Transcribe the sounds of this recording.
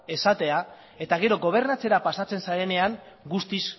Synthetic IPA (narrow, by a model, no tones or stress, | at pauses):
e̞sat̪e̞a | e̞t̪aɣ̞e̞ɾo̞ɣo̞β̞e̞ɾnat͡se̞ɾapasat͡se̞nsaɾe̞ne̞aŋ | ɡust̪is